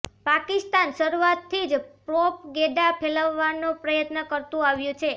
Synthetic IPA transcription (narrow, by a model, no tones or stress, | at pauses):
pakist̪anʃəɾuat̪ʰːid͡ʒpɾopɡeɖapʰeləʋːanopɾəjət̪nəkəɾt̪ũaʋjũt͡ʃʰe